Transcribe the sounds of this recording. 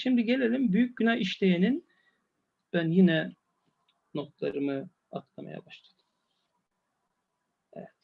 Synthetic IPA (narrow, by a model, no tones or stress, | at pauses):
ʃimd̪iɟe̞lʲelʲimbyjyc̚ynajiʃlʲejenin | b̥ænjinɛ | no̞t̪lˠa̰ɾɯmɯ | at̪lˠama̰ja̰baʃlˠḁd̪̥ɯ̥ | ɛ̰vɛt̪